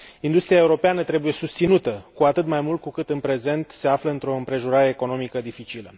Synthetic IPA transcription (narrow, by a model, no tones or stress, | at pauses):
ind̪ust̪ɾiae̞uɾo̞peanət̪ɾe̞buje̞sust̪sinut̪əkuat̪ɨt̪majmult̪̚kukɨt̪ɨnpɾe̞ze̞nt̪se̞afləɨnt̪ɾo̞ɨmpɾe̞ʒoɾaɾe̞ːko̞no̞mikəd̪ifit͡ʃilə